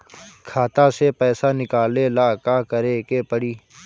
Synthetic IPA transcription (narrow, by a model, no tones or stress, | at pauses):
kʰaːt̪asepɛːsanɪkaːlelaːkaːkəɾekepəɽiː